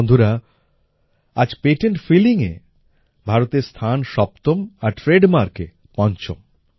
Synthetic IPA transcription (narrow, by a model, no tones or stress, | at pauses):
nd̪ʱuɾa | a̰d͡ʑpeʈeɳʈfiliŋḛ | bʱaɾot̪eɾst̪ʰanʃɔpt̪omaɾʈɾeɖmaɾkḛ | pɔnt͡ɕo̰m